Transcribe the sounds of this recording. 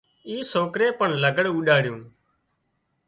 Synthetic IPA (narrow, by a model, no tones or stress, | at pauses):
iːsoːkɾeːpəɳləɡəɽuːɗaːɽɪjũː